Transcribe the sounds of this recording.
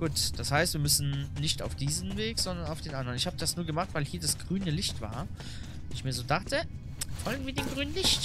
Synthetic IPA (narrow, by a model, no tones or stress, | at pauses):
ɡ̥uːtd̥ashaɪstv̥iːɐmʏsn̩nɪçtaʊfd̥iːzn̩veːkz̥ɔndɐnaʊfd̥eːnʔandʁənɪçhaːbəd̥asnuːɐɡəmaχtv̥aɪlhiːɐdasɡ̥ʁyːnəlɪçtv̥a̰ːɐ | nɪçmiːɐzoːdaχtə | fɔlɡŋ̩viːɐdeːnɡʁyːnənlɪçt